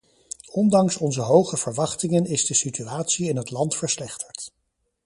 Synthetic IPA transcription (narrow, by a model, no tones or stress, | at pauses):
ɔndɑŋsɔnzəɦowχəv̥əɹʋɑχtɪŋənɪzdəsityaːtsiɪnɦətlɑntfəɹslɛχtəɹt